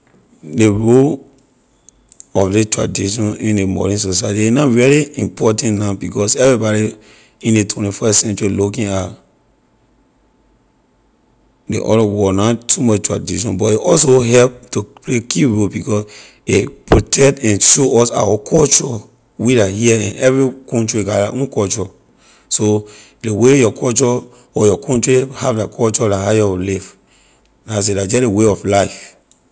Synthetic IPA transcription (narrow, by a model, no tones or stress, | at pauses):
deɹol | ɔfdetɹa̰diʃɔ̃nĩndemɔ̰ɹĩnsosajtienavɛɹiĩmpʰɔtɛ̃nnãʊbikɔsɛvɹibɔɾi | ĩndetʰwɛ̃ntifasɛ̃ntɹilukĩŋa | dḛʔɔ̰lɔwɔnatʰːumɔt͡ʃtɹadiʃɔ̃nbɔteʔɔlsoɦɛlp̚tuplekiɹobikɔs | epɹotʰɛk̚tɛ̃nʃoɔsa̰wakʰɔlt͡ʃɔ | wilahiɛɛ̃nɛvɹikɔ̃ntɹiɡalaʔɔ̃nkɔlt͡ʃɔ | so | lewejɔkʰɔlt͡ʃɔ | ɔjɔkʰɔ̃ntɹihavlakʰɔlt͡ʃɔlahajɔlif | nas̬elad͡ʒɛleweɔflaɪf